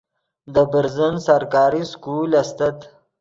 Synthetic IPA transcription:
d̪əbəɾzənsaɾkɑːɾiskulast̪at̪

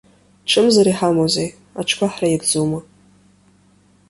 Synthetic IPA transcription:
ʈ͡ʂʰɨmzaɾiħamozej | a̰ʈ͡ʂʰkʷʰaħrajibd͡zowma

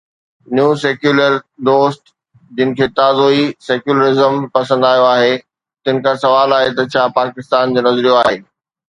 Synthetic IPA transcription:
njũseːkjuːləɾd̪oːsʈ | d͡ʑɪnɪ̆kʰeːt̪aːzoːiseːkjuːləɾɪzəmpɐsə̃nd̪aːjoaːɦe | t̪ɪn̆kʰãsɐʋaːlaːɦet̪ɐt͡ɕʰaːpaːkɪst̪aːnd͡ʑoːnɐzɾijoaːɦɦeː

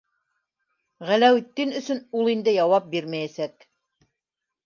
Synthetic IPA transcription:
ʁælæwit̪ːɘnɵ̆sɵnulˠind̪ɘjɑwɑp̚biɾmæjæsæk

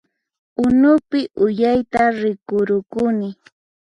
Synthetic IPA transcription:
ʊnʊpɪʔʊjajt̪aɾɪkʊɾʊkʊnɪ

